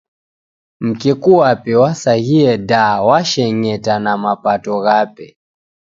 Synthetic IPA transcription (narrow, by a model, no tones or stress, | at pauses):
m̩kikuwapɛwasahiɛdawaʃɛɲɛtanamapatɔɣapɛ